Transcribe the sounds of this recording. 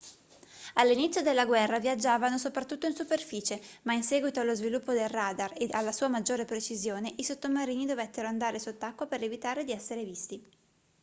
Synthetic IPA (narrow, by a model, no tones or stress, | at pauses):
alːinit̪sjod̪elːaɡwɛrːavjad͡ʒːaːvanosopɾat̪ːut̪ːoinsuperfiːt͡ʃemainsɛːɡwit̪oalːozvilupːod̪elraːd̪arealːasuːamad͡ʒːoːɾepɾet͡ʃizjoːneʔisot̪ːomaɾiːnid̪ovɛt̪ːeɾoand̪aːɾesot̪ːakːwapeɾevit̪aːɾed̪iɛsːeɾevist̪i